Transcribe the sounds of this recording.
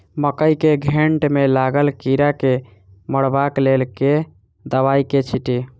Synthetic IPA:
məkəjkeɡʱeɳʈmelaɡəlkiɾake | məɽbaklelke | d̪əβaiket͡ʃʰiʈi

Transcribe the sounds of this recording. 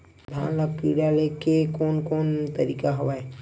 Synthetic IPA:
d̪ʱa̰ːnlakkiɽalekekoːnkoːnt̪əɾiːkaɦoʋae

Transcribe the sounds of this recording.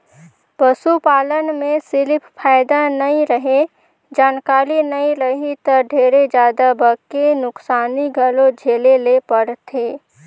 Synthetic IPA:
pəsupaːlənmẽsɪlɪpʰpʰaːɪd̪anɐĩɾəɦẽ | d͡ʒaːnkaːlinəĩɾəɦit̪əɖʱeːɾed͡ʒjaːd̪abəkːenʊksaːniɡʱəlõd͡ʒʱeːlelepəɽt̪ʰeː

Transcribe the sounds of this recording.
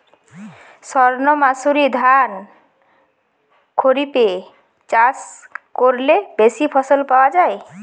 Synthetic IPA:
sɔɾnɔmasuɾid̪ʱan | kʰoɾipe | t͡ɕaskoɾlebesipʰɔsolpaoad͡ʑae

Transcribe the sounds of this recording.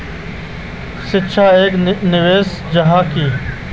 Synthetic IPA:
sɪt͡ʃʰaːeːknɪʋeːs | d͡ʑəɦãːkiː

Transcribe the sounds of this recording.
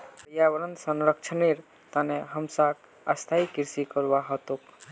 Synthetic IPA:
pɾjabəɾənt̪sənɾək̚t͡ʃʰəniɾ | t̪aneɦəmsak | əst̪ʰaikiɾsikəɾbaɦɔt̪ok

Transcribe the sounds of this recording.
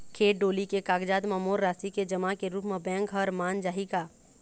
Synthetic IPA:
kʰeːʈ̚ɖoːlikekaːɡd͡ʒaːd̪mɐmoːɾːaːsiked͡ʒɐmakeɾuːpmẽbɛ̃ːŋkɦəɾmaːnd͡ʒaːɦikaː

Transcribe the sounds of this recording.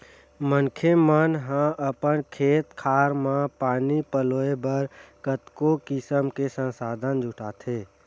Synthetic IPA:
məŋkʰemənɦãʔəpənkʰeːt̪kʰaːɾmãpaːnipəloːebəɾkət̪kokɪsəmkesə̃nsaːd̪ʱənd͡ʒʱʊʈʰaːt̪ʰeː

